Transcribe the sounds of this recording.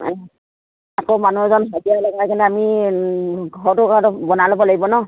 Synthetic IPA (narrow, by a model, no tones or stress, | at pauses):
akomanuɛzɔnbʱatijalaɡakintuami | ɡʱɔɹtʊkaatʊbɔnalɔbɔlaɡibɔnɔ